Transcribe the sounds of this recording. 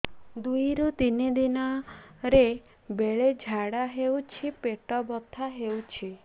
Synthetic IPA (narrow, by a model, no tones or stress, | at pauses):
d̪ujɾut̪inid̪inɔɾe | beɭed͡ʒʱaɽaɦewt͡ʃʰipeʈɔbɔt̪ʰːaɦewt͡ʃʰi